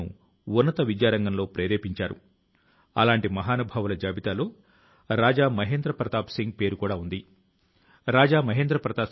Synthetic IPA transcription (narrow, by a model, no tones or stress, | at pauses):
ṵ | unːɐt̪ɐʋid͡ʒjaːɾɐŋɡɐnlo̞ːpɾeːɾeːpiɲt͡ʃaːɾṵ | ɐ̰laːɳʈimɐɦaːnubʱaːʋɐlɐd͡ʒaːbit̪aːloː | ɾaːd͡ʒaːmɐɦeːnd̪ɾɐpɾɐt̪aːpsiŋɡ̚pe̞ːɾukuːɽaːund̪i | ɾaːd͡ʒaːmɐɦeːnd̪ɾɐpɾɐt̪aː